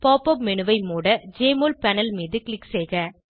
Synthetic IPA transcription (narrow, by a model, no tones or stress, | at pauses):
paːpɐp̚mɛnɯʋɐɪmuːɽɐd͡ʒeːmoːlpɐnɐlmiːðɯklɪkːsɛːɣɐ